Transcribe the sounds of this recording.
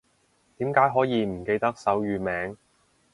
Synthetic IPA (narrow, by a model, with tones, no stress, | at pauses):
t̪iː˨˥mkaː˨˥jɦɔː˨˥jiː˨˧m̩˨˩ke˧jt̪ɐ˥k̚sɐ˨˥wjyː˨mɛː˨˥ŋ